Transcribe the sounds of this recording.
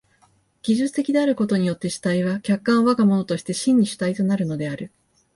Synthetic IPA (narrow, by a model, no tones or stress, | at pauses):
ɡ̥ʲiʑɨt͡sɨ̥t̪e̞kʲid̪e̞aɾɯ̟ko̞t̪o̞ɲ̟ijo̞t̪ːe̞ɕi̥t̪aiβakʲakːãɰ̃βakamo̞no̞t̪o̞ɕi̥t̪e̞ɕĩɲ̟ːiɕɨ̥t̪ait̪o̞naɾɯ̟no̞d̪e̞aɾɯ̟